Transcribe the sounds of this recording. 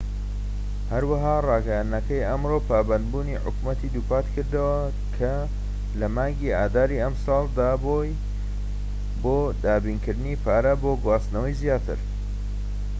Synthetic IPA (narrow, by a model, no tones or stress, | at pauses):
hɐɾwɐɦaːrɑːɡɐjanːɐkɐjʔɐmɾopʰaːbɐnd̪buːniħʊ̰kmɐt̪id̪uːpʰaːt̪kʰɨɾd̪ɐwɐ | kʰɐ | lɐmaːŋɡiaːd̪aːɾiɐmsɑːlˠd̪aːboj | boːd̪aːbinkɨɾd̪ɨniːpʰaːɾɐboːɡwaːst̪nɐwɐjzijaːt̪ʰɨ̰ɾ